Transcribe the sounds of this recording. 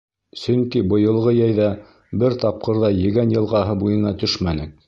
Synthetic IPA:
sɵ̆ŋkibɤ̆jɤ̆lˠʁɤjæjðɑ | bɘɾt̪ɑp̚qɤ̆ɾðɑjɘ̆ɡænjɤ̆lˠʁɑɦɤbujɤ̆nɑt̪ɵʃmænɘk̚

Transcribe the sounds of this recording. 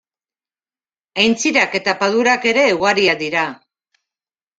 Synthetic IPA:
ajnt͡siɾake̞t̪apaðuɾake̞ɾe̞uɣaɾiad̪iɾa

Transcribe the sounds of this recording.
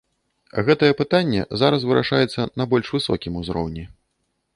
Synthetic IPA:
ɣɛt̪ɐjɛpɨt̪anʲːɛ̰zaɾɐs̬vɨɾa̰ʂajɛt̪sːɐnɐbɔlʲʂvɨsɔkʲimuzɾɔ̰wnʲi

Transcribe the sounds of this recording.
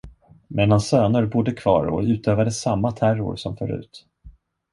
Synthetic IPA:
mʔɛd̪ansːøːnʊɾbʊd̪ːəkʰv̥ɑ̰ːɾɔ̰ʉ̟ːt̪øːvad̪əsamːat̪ʰærʊ̰ɾsɔmfœɾʉ̟̰ːt̪

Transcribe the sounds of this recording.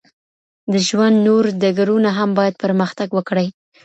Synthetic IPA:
d̪əʒwand̪noɾd̪aɡaɾunaɦambɑjad̪̚pəɾməxt̪aɡwəkɽəj

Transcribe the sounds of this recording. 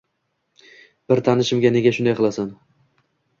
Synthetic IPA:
b̥ɪɾt̪ʰanɪʃɪmɡʲane̞ɡʲaʃʊnd̪ajqʰɨlˠasan

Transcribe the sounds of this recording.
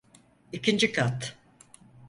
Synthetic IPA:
icʰind͡ʒikʰat̪

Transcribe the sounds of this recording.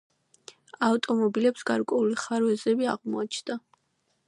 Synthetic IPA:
aft̪ʼɔmɔbilɛpsɡaɾkʼwɛuliχaɾwɛzɛbiaʁmɔat͡ʃʰnd̪a

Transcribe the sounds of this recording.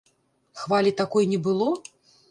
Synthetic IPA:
xvalʲit̪akɔjnʲɛbɨlˠɔ

